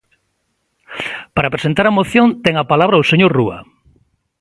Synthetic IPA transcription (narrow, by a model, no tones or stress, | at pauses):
paɾɐpɾesent̪aɾɐmoθjont̪ɛŋɐpalaβɾɐoseɲoɾruɐ̰